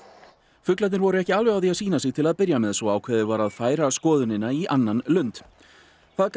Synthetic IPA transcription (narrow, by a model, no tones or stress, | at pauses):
fʏklat̪nɪɾvɔɾʏɛhcɪaːlvɛawðiaðsiːnasɪɣt̪ʰɪlaðpɪɾjamɛðsvɔawkʰvɛːðɪvaɾaðfaːjɾaskɔːðʏnɪnːaiʔanːanlʏnt̪ | θaðk